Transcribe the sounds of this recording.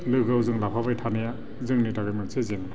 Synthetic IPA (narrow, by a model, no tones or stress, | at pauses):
lɯɡawzɯŋlapʰabajtʰanaja | zɯŋnitʰaɡajmɯnsezeŋ